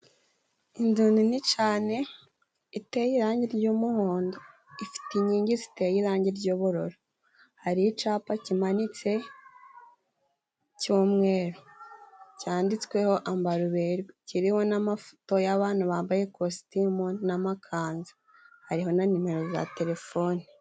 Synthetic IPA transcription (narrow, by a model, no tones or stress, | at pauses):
induninit͡ʃaːne̞ | itejiɾaːɲɟiɾɟuːmuhoːndo | ifi̥tiɲiːɲɟizite̞jiɾaːɲɟiɾɟuːβuɾo̞ɾo | haɾijit͡ʃaːpacimanit͡se̞ | cuːmŋe̞ːɾo | caːndit͡skwe̞ho̞ʔambaɾuβeɾɡiciɾiho̞namafu̥to̞jaβaːnuβaːmbaje̞kosi̥timonamakʰaːnzḁ | haɾiɦo̞nanime̞ɾo̞za̰te̞ɾe̞fo̞ːni